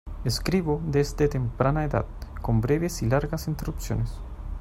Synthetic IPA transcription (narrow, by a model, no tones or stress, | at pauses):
eskɾiβoðezd̪et̪empɾanaeða̰ð̥ko̞mbɾeβesilaɾɣasint̪eɾrupsjo̞̰nes